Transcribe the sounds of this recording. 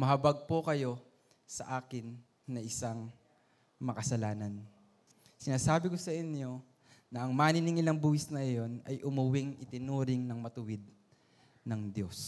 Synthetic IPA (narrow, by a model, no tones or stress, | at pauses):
mɐɦɐbɐɡ̚pokɐjo̞ | sɐ̰ʔaːkɪnː | ɐʔɪsaŋ | mɐkɐsɐlaːnɐn | sɪnaːsaːbɪko̞sɐʔɪnjo̞ | nɐʔɐŋmaːnɪnɪŋɪlɐŋbuːhɪsnɐjo̞nɐjʔʊmʊwɪŋʔɪt̪ɪnuːɾɪŋnɐŋmɐt̪ʊwɪd̪̚ | nɐŋd̪jo̞s